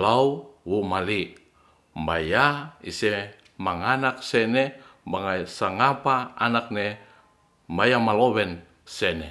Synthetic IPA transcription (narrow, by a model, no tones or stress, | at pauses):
lauwumali | mbajaḭsɛ | maŋanak̚sɛnɛbaŋasaŋapaa̰nak̚ne | mbajamalowɛn | sɛne